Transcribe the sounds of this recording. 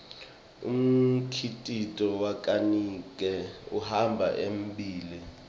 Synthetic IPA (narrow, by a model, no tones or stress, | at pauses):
ṵm̩kʰitʼitʼɔwakʼanik̬ʼɛuhambʱa̰ʔembʱiːli